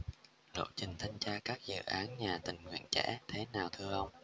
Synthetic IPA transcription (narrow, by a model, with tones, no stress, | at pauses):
ɗo̰˧˨t͡ɕï˨˩ŋ̟t̪ʰa˧jŋ̟t͡ɕaː˧kaː˦˥k̚zɨ̰˧˨ʔaː˨˦nɲaː˨˩t̪ï˨˩ŋ̟ŋwḭ˧˨ənt͡ɕɛ̰˧˥t̪ʰe˨˦naː˨˩wt̪ʰɨ˧əʔə˧wŋ͡m